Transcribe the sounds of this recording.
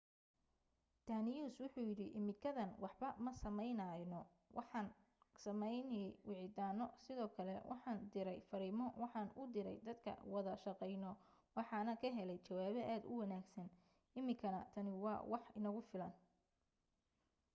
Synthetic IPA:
d̪̥aːnɪjuːswʊħujɪɾɪʔɪmɪkʰɐðɐnwɑħbɐmɐsɐmɛjnɐːnɔ | wʔɑ̰ħɑːn | sɐmɛjnɛwɪʕɪd̪aːnɔsɪðɔːkʰɐlɛwʔɑ̰ħɑːnd̪ɪɾɛjfɐɾiːmɔwɑħɑːnʊd̪ɪɾɛ̰jd̪ɐd̪kʰɐ̰wɑðɐʃɑqɛjnɔ | wɑħɑːnɐkʰɐɦɛlɛjt͡ʃɐwaːβɛʔaːd̪ʊ̰wɑnaːɡsɐn | ʔɪmɪkʰɐnɐt̪ʰɐnɪwɑ̰ːwɑħɪnɐɣʊfɪlɐn

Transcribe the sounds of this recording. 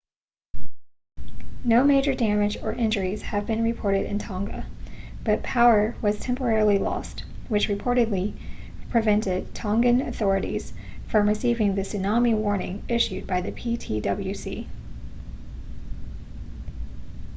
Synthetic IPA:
noʊmeɪd͡ʒə˞dæmɨd͡ʒə˞ʔɪ̃nd͡ʒə˞iz̥ɨvbɨ̃nɹɨpʰɔɹɾɨɾɨ̰̃ntʰɑ̃ŋɡə̰b̥ʌt̚pʰaʊə˞wʌz̥tʰɛ̃mpə˞ɛɹl̩ˠilɔ̰st̚wɨt͡ʃɹɨpʰɔɹɾɨdˡli | pʰɹ̥ɨvɛ̃ntɪd̚tʰɑ̃ŋɡɨ̃nɨθɔɹɨɾḭz̥ | fɹʌ̃mɹɨsivɪ̃ŋðɨsɨnɑmiwɔɹnɪ̃ŋɪʃʉd̚baɪðɨpʰitʰidʌbl̩ˠjʉsḭ

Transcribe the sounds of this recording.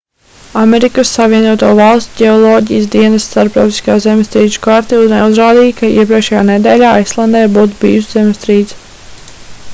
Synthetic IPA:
amɛɾikəsːaviɛnuɔt̪uɔvalˠsʲt̪ʲɟʲeɔlˠɔːɟijsd̪iɛnəsst̪aɾpɾawt̪i̥skaːzɛmst̪ɾiːʒu̥kaɾt̪ineuzɾaːd̪iːjkʰaḭɛp̬ɾiɛkʃɛjaːnɛd̪ɛːlʲaːajslˠand̪ɛjbuːt̪ubḭːuszɛmst̪ɾiːt̪s

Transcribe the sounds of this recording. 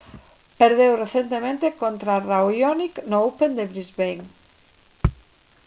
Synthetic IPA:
peɾðewreθent̪emẽnt̪ekont̪ɾaraojoniknoowpend̪eβɾizβejŋ

